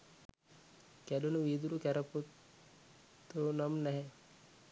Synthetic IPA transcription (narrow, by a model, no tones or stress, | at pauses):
kæɗunuʋiːd̪uɾukæɾəput̪ | t̪ːonamnɛɦɛ